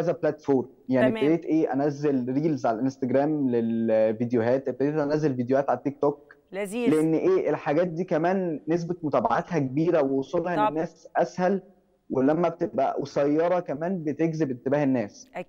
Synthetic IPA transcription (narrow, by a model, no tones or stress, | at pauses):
æːzæblæt̪foːɾmjaʕnibted̪eːt̪ʔeːʔænæzːelɾiːlzʕalælʔenst̪æɡɾæːmlelvid̪ejoɦæːt̪ʔeb̚t̪ed̪eːt̪ʔænæzːelvid̪ejohæːt̪ʕalæt̪ːik̚t̪oːk̚ | leʔenːʔeːʔelħaɡæːt̪̚d̪iːkæmæːnːes̬bet̪mot̪æːbaʕat̪hækebiːɾæwewsˤolːhɑʔenːenːæːsʔæshæl | welæmːæbet̪ebʔæ̰wesæjːɑɾˤɑkæmæːnbet̪eɡzebet̪ːebæːhenːæːs